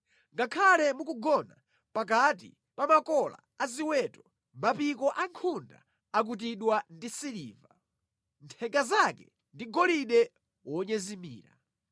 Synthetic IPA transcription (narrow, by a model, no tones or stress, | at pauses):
ŋɡakʰalɛmukuɡɔna̰ | pak̬at̬i | pamakɔla̰aziwɛtɔ | mapikɔʔaŋkʰunda̰ | ak̬ut̬iɗwandisilḭːva | ntʰɛŋɡazakɛ̰ | ndiɡɔliɗɛ | wɔɲɛzimḭːɾa̰